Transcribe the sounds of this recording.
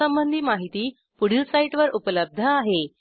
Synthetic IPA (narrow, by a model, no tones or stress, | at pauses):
əmbənd̪ʱiːmaɦit̪iː | puɽ̤ilsaiʈʋəɾupələb̚d̪ʱəaɦe